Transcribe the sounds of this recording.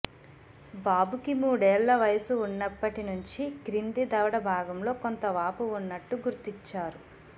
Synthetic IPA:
baːbukimuːɽɛːlːɐʋɐjɐsuunːɐpːɐʈinuɲt͡ʃikɾind̪id̪ɐʋɐɽɐbʱaːɡɐmlo̞ːko̞nt̪ɐʋaːpuunːɐʈːuɡuɾt̪iɲt͡ʃːaːɾu

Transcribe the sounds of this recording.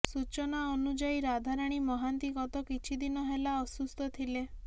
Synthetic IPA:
sut͡ʃɔnaɔnud͡ʒaiɾad̪ʱaɾaɽ̃imɔɦant̪iɡɔt̪ɔkit͡ʃʰid̪inɔɦelaɔsust̪ɔt̪ʰile

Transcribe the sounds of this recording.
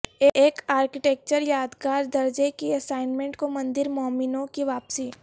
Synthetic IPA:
eʔeːkaːɾkɪʈɛːk̚t͡ʃəɾjaːd̪kaːɾd̪ɐɾd͡ʒekiɐsaːɪnmẽɳʈkomɐ̃nd̪ɪɾmɔːmɪnõkiʋaːpsiː

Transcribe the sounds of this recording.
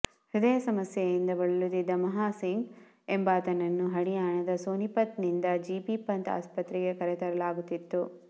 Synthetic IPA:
hud̪ɐjɐsɐmɐsjɐjind̪ɐbɐɭɐlut̪id̪ːɐmɐɦaːsiŋɡ | embɐːt̪ɐnɐnːuɦɐɽijaːɳɐd̪ɐsoːnipɐt̪nind̪ɐd͡ʒiːpipɐnt̪a̰ːspɐt̪ɾiɡekɐɾɛt̪ɐɾɐlaːɡut̪ːit̪ːu

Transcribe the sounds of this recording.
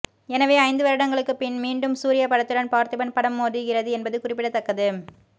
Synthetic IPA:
ɛnɐʋeːɐɪ̃nd̪ɯʋɐɾɯɽɐŋɡɐɭɯkːɯpɪnmiːɳɖɯmsuːɾɪjɐpɐɽɐt̪ːɯɽɐnpaːɾt̪ɯbɐnpɐɽɐmːoːðɯɣɪrɐðɯɛnbɐðɯkʊrɪpːɪɽɐt̪ːɐkːɐðɯ

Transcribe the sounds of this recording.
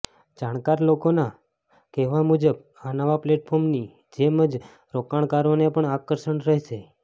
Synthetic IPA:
d͡ʒaɽ̃kaɾlokona | keʋamud͡ʒəb | anaʋapleʈpʰoɾmni | d͡ʒeməd͡ʒ | ɾokaɳkaɾonepəɳakəɾʃəɳɾəɦʃe

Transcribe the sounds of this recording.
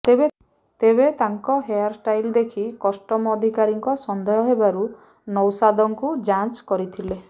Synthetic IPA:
ebe | t̪eβet̪aŋkɔɦejaɾsʈajld̪ekʰikɔsʈɔmɔd̪ʱikaɾiŋkɔsɔnd̪ɔjɔɦebaɾu | nɔwsad̪ɔŋkud͡ʒant͡ʃkɔɾit̪ʰile

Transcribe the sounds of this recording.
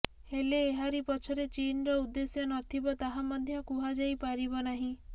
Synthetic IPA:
heleːɦaɾipɔt͡ʃʰɔɾet͡ʃinɔɾɔud̪ːesjɔnɔt̪ʰibɔt̪aɦamɔd̪ʱjɔkuɦad͡ʒajpaɾibɔnaɦĩ

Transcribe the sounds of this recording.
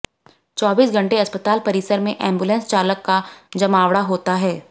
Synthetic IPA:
t͡ʃɔːbiːsɡʱɐ̃ɳʈeɐspət̪aːlpɐɾiɪsəɾmẽʔɛ̃ːmbuːlɛ̃ːnst͡ʃaːləkːad͡ʒɐmaːʋɽaɦoːt̪aɦɛː

